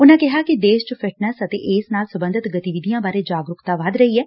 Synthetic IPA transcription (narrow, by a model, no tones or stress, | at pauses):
ʊnãːkɪɦaːkɪd̪eːʃt͡ʃfʰɪʈnəsət̪ḛːʔɪːsnaːlsəbə̃nd̪ʱət̪ɡət̪iːʋɪd̪ijãːbaːɾeːd͡ʒaːɡɾʊkt̪aːʋad̪ɾəiːɛː